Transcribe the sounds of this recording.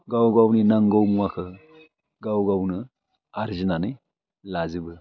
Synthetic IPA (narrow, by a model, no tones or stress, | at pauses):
ɡawɡawninaŋɡowmuwakʰə | ɡawɡawnə | aɾd͡ʒinani | lazibə